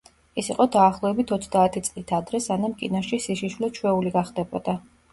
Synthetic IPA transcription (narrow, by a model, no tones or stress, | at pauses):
ɛsiqʼɔd̪aːχlˠɔɛbit̪ʰɔt̪sʰd̪aːt̪ʰit̪sʼlit̪ʰad̪ɾɛsanamkʼḭnaʃisiʃiʃwlɛt͡ʃʰwɛuliɡaχd̪ɛbɔ̰d̪̥a